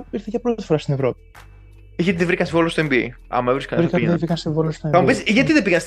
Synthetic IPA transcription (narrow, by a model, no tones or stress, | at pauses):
iɾθeʝɐpɾott̪i̥fo̞ɾɐst̪inevɾo̞pi̥ | iʝɐt̪iðevɾikɐnsevolost̪oembiḭ | ɐ̰mɐevɾiskɐnɾikɐevɾikɐnst̪evolost̪oeɐmpisʝɐt̪iðepiɣɐs